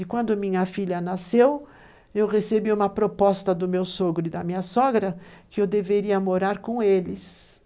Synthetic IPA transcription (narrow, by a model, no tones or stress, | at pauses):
ɪkwɐ̃nd̪ʊmĩɲɐfiʎɐnasew | ewʁesebiũmɐpɾopɔst̪ɐd̪ʊmewsoɡɾʊɪd̪ɐmĩɲɐsɔɡɾɐkɪewd̪eveɾiɐmoɾaɾkõelɪs